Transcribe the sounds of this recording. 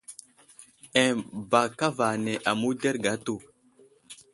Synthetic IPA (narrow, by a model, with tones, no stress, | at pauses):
ɛ˨ba˨ka˦va˨ne˨ʔa˨mu˦de˦ɾɡa˨˦tu˦˨